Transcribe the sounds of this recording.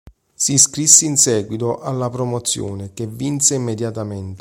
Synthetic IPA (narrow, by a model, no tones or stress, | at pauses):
siskɾisːeinsɛːɡwit̪oʔalːapɾomot̪sːjo̰ːnek̟evːinseimːed̪jat̪ament̪